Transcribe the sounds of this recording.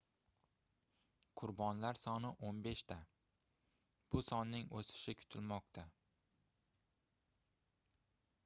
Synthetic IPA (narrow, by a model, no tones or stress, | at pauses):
qʰʊɾbɒnlaɾsɒnɪʔonbe̞ʃt̪ʰa | b̥ʊsɒnːɪŋosɪ̥ʃɪkʰʊ̥t̪ʰɪlmɒqt̪ʰa